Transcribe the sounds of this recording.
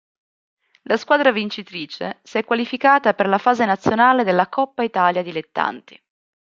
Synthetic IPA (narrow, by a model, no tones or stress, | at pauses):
laskwaːd̪ɾavint͡ʃit̪ɾiːt͡ʃḛsiɛkːwalifikaːt̪aperlafaːzenat̪sːjonaːled̪elːakɔpːait̪aːljad̪ilet̪ːa̰nt̪i̥